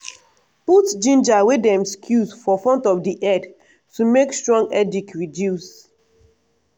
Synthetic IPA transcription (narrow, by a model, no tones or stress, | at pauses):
putd͡ʒĩnd͡ʒawedɛ̃mskʰjusfɔfɹɔ̃ntɔfdiʔɛd | tumekstɹɔ̃ŋɡɛdikɹidjus